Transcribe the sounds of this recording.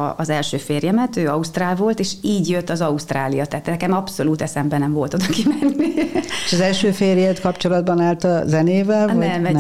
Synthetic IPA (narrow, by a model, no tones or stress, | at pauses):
ɒzɛlʃøːfeːrjɛmɛt̪øːɒust̪raːlvo̞lt̪eːʃiːɟjøt̪ːɒzɒust̪raːlijɒt̪ɛːt̪nɛkɛmɒpso̞luːt̪ɛsɛmbɛnɛɱvo̞lt̪o̞d̪ɒkimɛnːieʃɒzɛlʃøːfeːrjɛt̪kɒpt͡ʃo̞lɒd̪̚bɒnaːlt̪ɒzɛneːvɛlnvɒɛmɛ